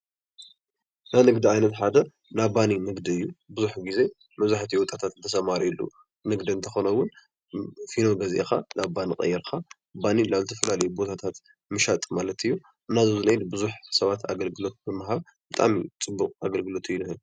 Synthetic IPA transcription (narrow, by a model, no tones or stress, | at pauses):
najnɨɡd̪iajnɐt̪ħad̪ɐ | nabaninɨɡd̪iɨjːubɨzuħɡize̞ | mɐβzaħt̪ʰiwɔt̪ʼat̪ʰat̪zɨt̪ʰɐsɐmaɾilːṵ | nɨɡd̪iɨnt̪ʰɐxo̞nɐwʊn | fino̞ɡɐzʔḛxa̰naβbanikʼɐ̰jːɛɾkʰa | banilaβzɨt̪ʰɐfɐlalɐjubo̞t̪ʰat̪ʰat̪ | mɨʃat̪ʼmalɐt̪ɨjːu | ɨnːazuzɨnɐjd̪bɨzuħsɐβat̪ʰa̰ɡɐlɡɨlo̞t̪̚bɨmaɦaβ | bɨt̪ʼa̰mit͡sʼɨbːuqʼaɡɐlɡɨlo̞t̪ʰɨjːunɨhɨl